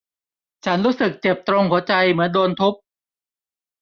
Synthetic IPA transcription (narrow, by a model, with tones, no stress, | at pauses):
t͡ɕʰa˦˥nɾuː˦˥sɯ˨˩k̚t͡ɕe˨˩p̚t̪ɾo˧ŋhu˩˦ɐt͡ɕa˧jmɯ˩˦əndoː˧nt̪ʰu˦˥p̚